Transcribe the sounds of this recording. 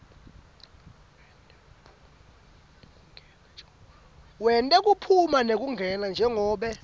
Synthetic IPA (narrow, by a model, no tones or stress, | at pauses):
wɛntʼɛk̬ʼupʰumanek̬ʼuŋɡʱɛnand͡ʒʱɛŋɔːɓɛ